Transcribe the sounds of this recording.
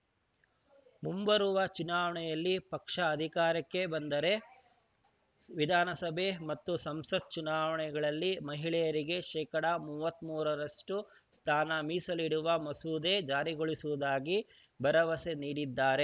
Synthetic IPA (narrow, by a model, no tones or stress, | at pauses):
mumbɐɾuʋɐt͡ʃunaːʋɐɳɛjɐlːipɐkʂɐːd̪ʱikaːɾɐkːe̞bɐnd̪ɐɾe̞ | ʋid̪ʱaːnɐsɐbʱemɐt̪ːusɐmsɐt̪̚t͡ʃunaːʋɐɳɛɡɐɭɐlːimɐɦiɭɛjɐɾiɡe̞ʃɛːkɐɽɐmuːʋɐt̪ːmuːɾɐɾɐʂʈu | st̪ʰaːnɐmiːsɐliɽuʋɐmɐsuːd̪ed͡ʒaːɾiɡoɭisuʋud̪aːɡi | bʱɐɾɐʋɐse̞niːɽid̪ːaːɾe̞